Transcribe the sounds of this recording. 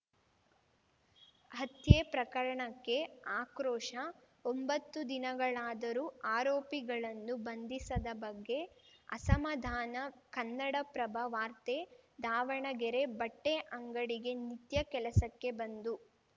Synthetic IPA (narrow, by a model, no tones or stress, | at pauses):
ɦɐt̪jeːpɾɐkɐɾɐɳɐkːe̞aːkɾɔːʂɐ | ombɐt̪ːud̪inɐɡɐɭaːd̪ɐɾuːaːɾoːpiɡɐɭɐnːubɐnd̪isɐd̪ɐbɐɡːe̞ɐ̰sɐmɐd̪ʱaːnɐkɐnːɐɽɐpɾɐbʱɐʋaːɾt̪eːd̪ʱaːʋɐɳɐɡɛɾe̞bɐʈːeʔɐŋɡɐɽiɡe̞nit̪jɐkɛlɐsɐkːe̞bɐnd̪u